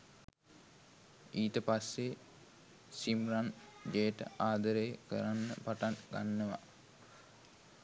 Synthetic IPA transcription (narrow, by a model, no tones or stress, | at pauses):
iːt̪əpasːe | simrand͡ʒejʈə̰ʔaːd̪əɾəjəkə̰ɾanːə̰paʈaŋɡa̰nːəʋa̰